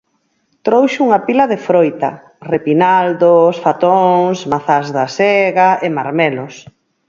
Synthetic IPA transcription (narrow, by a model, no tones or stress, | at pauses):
t̪ɾowʃuŋɐpilɐðefɾojt̪ɐ̰ | repinald̪osfat̪oŋsmaθazðasɛɣaemaɾmɛlʊs